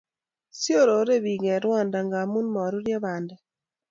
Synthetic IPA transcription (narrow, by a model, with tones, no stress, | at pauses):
sjo˦˨ɾo˨˦ɾe˦˨bi˨ŋɛ˨ɾwɔ˦˨nda˨ŋɡa˨mu˦nmɔ˨ɾu˦ɾja˦ba˨ndɛ˨